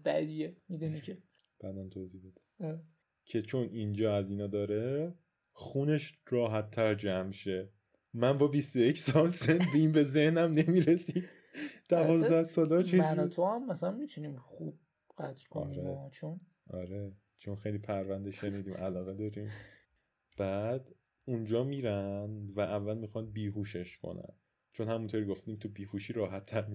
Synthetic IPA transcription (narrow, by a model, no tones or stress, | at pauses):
bæ̰d̪iemid̪unicʰe | b̥æːd̪ænt̪ʰoːziːhbed̪i̥ɾ | cʰe̞t͡ʃʰo̞nind͡ʒɒːæziːnɒːd̪ɒːɾe | xuːne̞ʃrɒːɦæt̪ʰːæɾd͡ʒæmʃe̞ | mænbɒbist̪ojecsɒlsend̪beiːmbe̞ze̞hnæmnemiːɾesi̥ | d̪̥ævɒːzd̪æhsɒːlɒeænɔt̪ʰohæmːæsælænmit̪ʰuniːmχub̥̚ | ɢ̥æt̪ʰɾkʰo̰niɾeɔt͡ʃʰon | ʔɒ̰ɾe | t͡ʃʰonxejlipʰæɾvænd̪eʃe̞niːd̪iːmʔælɒːɣed̪ɒːɾĩːm | b̥æːd̪ | und͡ʒɒːmiːɾænvæʔævːælmixɒnbiːɦuːʃe̞ʃkʰo̞̰næ̰n | t͡ʃʰonhæmunt̪ʰoːɾiɡoft̪iːmt̪ʰubiːhuʃiːɾɒːɦæt̪ʰːæɾmi